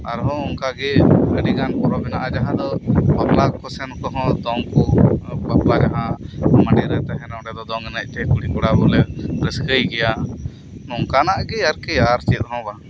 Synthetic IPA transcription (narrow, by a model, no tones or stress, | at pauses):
aɾɦɔ̃ɔŋkaɡɛəɽiɡankɔɾɔbɛnaʔad͡ʒaɦãd̪ɔbaplakɔsɛnkɔɦɔ̃d̪ɔŋkɔbaplad͡ʒaɦãmaɳɖiɾɛt̪ɛɦɛnɔɖɛd̪ɔd̪ɔŋɛnac̚ˀt̪ɛkuɽikɔɽabɔlɛɾəskəjɡɛja | nɔŋkanaʔɡɛaɾkɛaɾt͡ʃit̪̚ˀɦɔ̃ba